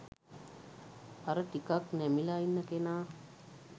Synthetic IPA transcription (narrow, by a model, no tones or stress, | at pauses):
aɾəʈikaknæmilainːəkenaː